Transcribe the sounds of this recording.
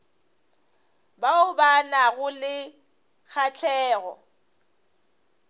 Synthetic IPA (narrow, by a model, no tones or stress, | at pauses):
baʊbanaɣʊlɪ | k͡xʰat͡ɬʰɛːɣɔ̰